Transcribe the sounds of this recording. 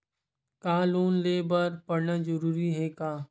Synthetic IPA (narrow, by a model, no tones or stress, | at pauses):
kaːloːnleːbəɾpɐɽnad͡ʒɐɾuːɾiɦɛkaː